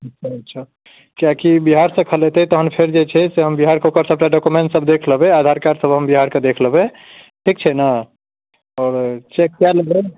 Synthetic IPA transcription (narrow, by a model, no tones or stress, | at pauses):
ətːʃʰaɐtːʃʰa | kjakibiɦaɾsə̃kʰəlet̪et̪ɔɦənpʰeɾd͡ʒet͡ʃʰɛseɦəmbiɦaɾkokəɾsəb̚ʈaɖɔkumẽɳʈsəbʱd̪ekʰləbead̪ʱaɾkaɾsəbʱɦəmbiɦaɾked̪ekʰləbe | ʈʰik̚t͡ʃʰɛna | ɔːɾt͡ʃekːjaləɡe